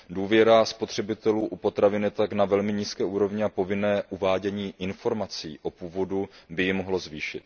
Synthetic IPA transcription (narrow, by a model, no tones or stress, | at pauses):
duːvjɛɾaspo̞t̪r̝̥ɛbɪt̪ɛluːʔupo̞t̪ɾavɪnɛt̪aknavɛlmɪɲiːskɛːʔuːɾo̞vɲɪapo̞vɪnɛːʔuvaːɟɛɲiːʔɪnfo̞ɾmat͡siːʔo̞puːvo̞dubɪjɪmo̞ɦlozviːʃɪt̪̚